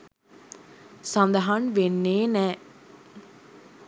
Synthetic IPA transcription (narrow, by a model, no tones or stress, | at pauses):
sɐ̃nd̪ɐɦɐnʋenːeːnɛː